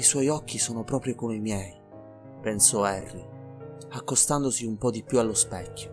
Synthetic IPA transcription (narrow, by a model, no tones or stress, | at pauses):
iswɔjɔkːisoːnopɾɔːpɾjokomeimjɛj | pensɔɛrːi | akːost̪and̪osiumpɔd̪ipjualːospɛkʲːjo